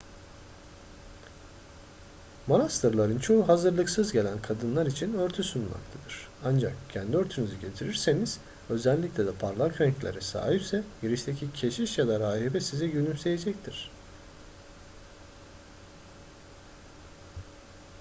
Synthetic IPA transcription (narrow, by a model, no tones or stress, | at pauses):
mo̞nast̪ʰɯɾlˠaɾɯnt͡ʃʰo̞ɦuɦazɯɾlˠɯksɯzɟe̞lʲænkʰad̪ɯnlˠaɾit͡ʃʰinøɾt̪ʰysunma̰kt̪ʰad̪ɯɾ̥ | and͡ʒakcʰænd̪iøɾt̪ʰynyzyɟe̞t̪ʰiɾiɾse̞niz̥ | ø̞zɛlʲːiclʲɛd̪ɛpʰaɾlˠakɾɛɲclʲeɾɛsa̰ːɦipsɛjeɾiʃt̪ʰecʰicʰe̞ʃiʃjad̪aɾaːɦibɛsizɛɟynymse̞je̞d͡ʒɛct̪ʰiɾ̥